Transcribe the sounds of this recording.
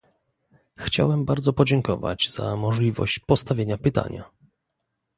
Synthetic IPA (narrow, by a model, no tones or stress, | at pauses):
xt͡ɕa̰wɛmbaɾd̪zɔpɔd͡ʑɛŋkɔva̰d͡ʑz̥a̰mɔʐlʲivɔ̰ɕt͡ɕpɔst̪avʲjeɲapɘt̪a̰ɲa̰